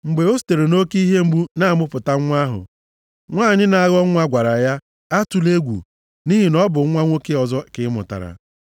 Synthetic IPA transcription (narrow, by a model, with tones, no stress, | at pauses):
ŋ͡m̩˨ɡ͡be˨o˦s̬i̥˨te˨ɾe˨no˦ki˦ɦe˦ŋ͡m̩˦ɡ͡bu˦na˦˨mʊ˦pʊ˨ta˦ŋʷ˦a˦ɦʊ̰˨ | ŋʷaː˦˨ɲɪ˦na˨a˦ɣɔ˦ŋʷa˦ɡʷa˨ɾa˨ja˦ | a˦tu˨le˦ɡʷṵ˨ | ni˦ɦi˨nɔ˦bʊ˨˦ŋʷa˦ŋʷo˦ke˦ɔ˨zɔ˦kɪ˦mʊ̰˨ta̰˨ɾa̰˨